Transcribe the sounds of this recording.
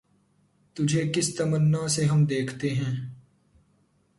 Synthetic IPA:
t̪ʊd͡ʒʱekɪst̪ɐmənːaseɦɐmd̪eːkʰt̪eɦɛ̃ː

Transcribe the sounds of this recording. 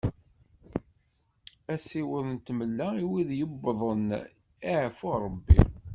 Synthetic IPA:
æsiwəðˤnt̪məlːæiwiðjəbːðˤən | iʕfʊɾˤəbːḭ

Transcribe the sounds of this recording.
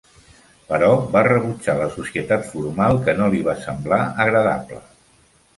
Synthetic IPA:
pəɾɔbarəβut͡ʃaləsusiət̪at̪fuɾmalˠkənoliβasəmblaəɣɾəða̰plə̰

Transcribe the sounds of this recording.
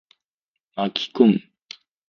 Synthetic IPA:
makʲʰi̥koŋ

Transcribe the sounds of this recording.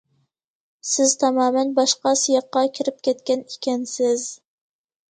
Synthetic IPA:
sɪzt̪ʰɑmɑːmɛnbɑʃqɑsijɑqːɑkʲʰɪɾɪp̚kʲʰɛt̪kʲɛnikʲɛnsɪz

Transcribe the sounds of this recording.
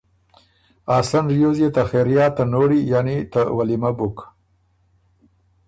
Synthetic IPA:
ɑsanɾijozjet̪axeɾjɑt̪anoɽijanit̪awalimabuk

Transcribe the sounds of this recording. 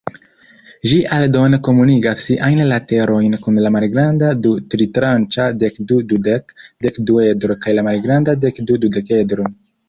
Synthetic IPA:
ʒiʔaldo̞neko̞muniɡasːiʔajnlate̞ɾo̞jnkunlamalɡɾandadutɾitɾant͡ʃade̞kdududekde̞kdue̞dɾo̞kajlamalɡɾandade̞kdudude̞ke̞dɾo

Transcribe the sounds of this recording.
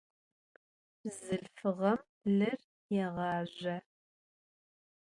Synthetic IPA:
zɨɮfɨʁɐm | ɮɨr | jɛʁɑːʑɐ

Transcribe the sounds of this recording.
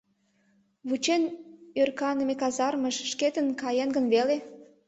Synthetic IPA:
βut͡ɕenørkɑnəmekɑzɑrməʃʃket̪ənkɑjenɡənβele

